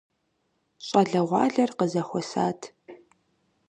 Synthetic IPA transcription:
ɕʼɐɮɐʁʷɑ̰ːɮɐrqəzɐχʷɔsaːtʰ

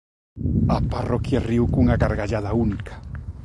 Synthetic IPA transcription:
aparokjariukuŋaɣaɾɣaʎaðaunikʰḁ

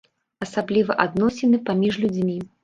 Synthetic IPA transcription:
ɐsablʲivɐʔad̪nɔsʲɛnɨpamʲiʐlʲud͡zʲmʲi

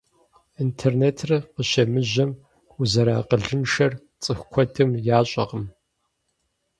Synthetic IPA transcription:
intʰeːrneːtʰrɐqəʃɐmɨʑɐm | uzɐɾaːqəɮɨnʃɐr | t͡sʼɨxkʷʰɔdʰɨmjaːɕʼɐqəm

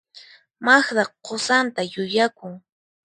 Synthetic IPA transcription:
maxɾɑqqosant̪ajʊjakʊŋ

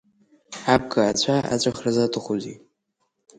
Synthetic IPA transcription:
ab̚ɡʼɨat͡ɕʷʰaa̰t͡ɕʷʼaχrɨzatʼɨχʷʊzi

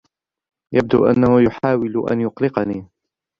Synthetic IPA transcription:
jab̚d̪ṵːʔa̰nːahʊjʊħaːwɪlʊʔa̰njʊqlɪqɑniː

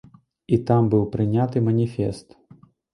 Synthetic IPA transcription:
it̪ambɨwpɾɨnʲat̪ɨmɐnʲifʲɛst̪

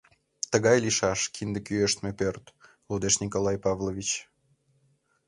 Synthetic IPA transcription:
t̪əɣɑjliʃɑʃkʰind̪əkyøʃt̪mepørt̪ | lod̪eʃnʲikolˠɑjpɑvlˠovʲit͡ɕ

